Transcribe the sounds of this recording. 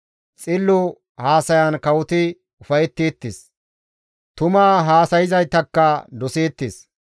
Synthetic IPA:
t͡sʼɪlːʊ | haːsɐjɐnkɐwʊt̪ɪ | ʊfɐjɛt̪ːiːt̪ːɪs | t̪ʊmaːɦaːsɐjɪzɐjt̪ːɐkːɐd̪ɔseːt̪ːɪs

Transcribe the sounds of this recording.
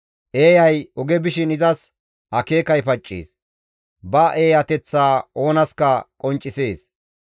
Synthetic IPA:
ʔeːjɐjɔɡɛbɪʃɪnɪzɐs | hɐke̞ːkɐjpɐt͡ʃʼːḛːs | bɐʔeːjɐt̪ɛt͡sːaːo̞ːnɐskɐkʼɔnt͡ʃʼːɪseːs

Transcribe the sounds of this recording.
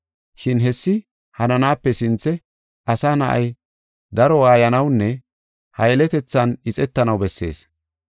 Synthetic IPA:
ʃɪnɦɛsːɪ | hɐnɐnaːpːɛsɪnt͡sːɛ | ʔɐsaːnɐʔɐ̰j | d̪ɐɾɔwaːjɐnɐwnːɛ | hɐjlɛt̪ɛt͡sːɐnɪt͡sʼɛt̪ːɐnɐwbɛsːe̞̰ːs

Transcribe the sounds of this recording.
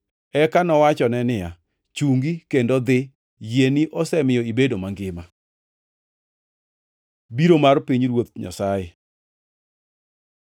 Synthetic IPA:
ɛkanɔwat͡ʃɔnɛnɪja̰ | t͡ʃuŋɡikendod̪ɪ | jeniʔɔsɛmɪjɔibedomaŋɡɪma | biɾomarpiɲɾwot̪̚ɲa̰saje

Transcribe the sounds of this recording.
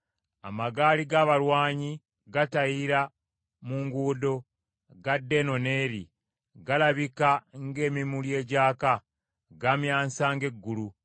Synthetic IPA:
a̰maɡaːliɡaβaɾwaːɲi | ɡatajiɾa | muŋɡuːdo̞ | ɡadːe̞no̞ne̞ːɾḭ | ɡalaβikaŋɡe̞ːmimulje̞ːɟaːka | ɡamjaːnsaŋɡe̞ɡːulu

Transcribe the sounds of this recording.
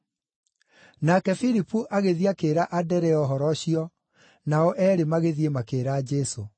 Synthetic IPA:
nakɛfiɾipuʔaɣeðiakeːɾaʔadɛɾɛɔɦɔɾɔɕiɔ | naɔʔɛːɾemaɣeðiemakeːɾaːd͡ʒɛso

